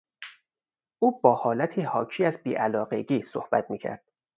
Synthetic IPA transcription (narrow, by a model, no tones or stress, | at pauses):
ʔuːbɒːhɒːlæt̪ʰiːhɒːcʰiːæzbiːʔælɒːɢeɡiːso̰hb̥æ̰t̪̚ʰmiːcʰæ̰ɾd̪̥̚